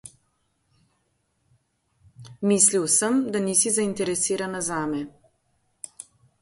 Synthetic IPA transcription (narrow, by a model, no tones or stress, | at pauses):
miːsliwsəmd̪aniːsizaint̪ɛɾɛsiːɾanazaːmɛ